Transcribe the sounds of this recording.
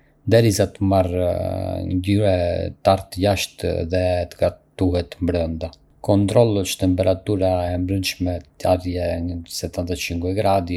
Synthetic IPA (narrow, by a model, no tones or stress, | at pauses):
nd̪ɛɾizat̪əmar | ɲɟyɾɛt̪aɾt̪əjaʃt̪ðɛt̪əɡat̪uɦɛt̪mbɾənd̪a | kɔnt̪ɾɔlˠɔt͡ʃt̪ɛmpɛɾat̪uɾaɛmbɾənʃmɛaɾjɛɲəsɛt̪ant̪ət͡ʃiŋkwiɡɾad̪i